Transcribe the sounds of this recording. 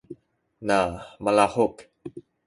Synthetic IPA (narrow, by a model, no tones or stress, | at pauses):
namalahʊk